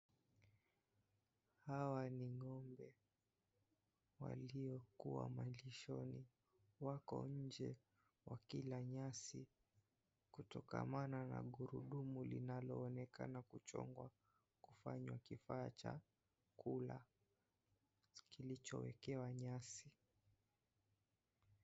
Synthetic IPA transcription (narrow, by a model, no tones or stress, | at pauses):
hawaniŋɔmbɛ | wa̰liɔkuwa̰maliʃɔni | wakɔ̰ɲ̩d͡ʒɛ | wakilaɲasi | kutɔka̰manana̰ɠuɾuɗumulinalɔːnɛkanakut͡ʃɔ̰ŋɡwa | kufaɲwakifaːt͡ʃa | kula | kilit͡ʃɔwɛkɛwaɲasi